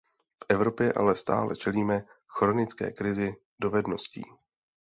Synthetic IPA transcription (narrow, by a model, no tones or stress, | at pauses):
fʔɛvɾo̞pjɛʔa̰lɛst̪a̰ːlɛ̰t͡ʃɛliːmɛxɾo̞nɪt͡skɛ̰ːkɾɪzɪ | do̞vɛdno̞scḭː